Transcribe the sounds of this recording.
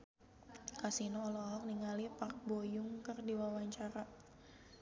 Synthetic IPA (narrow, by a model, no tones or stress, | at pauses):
kasinoːlɔɔk̚niŋalipark̚bojʊŋkərdiwawaɲt͡ʃaɾa